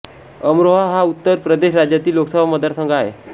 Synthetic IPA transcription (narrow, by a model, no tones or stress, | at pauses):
əmɾoɦaɦaut̪ːəɾpɾəd̪eɕɾad͡ʑjat̪iːloksəbʱaməd̪aɾsəŋɡʱaɦḛ